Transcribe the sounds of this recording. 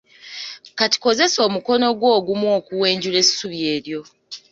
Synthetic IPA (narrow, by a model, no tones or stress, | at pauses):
kati̥ko̞ze̞so̞ːmuko̞no̞ɡwo̞ːɡumwo̞ːkuwe̞ːɲɟule̞suβje̞ːɾjo̞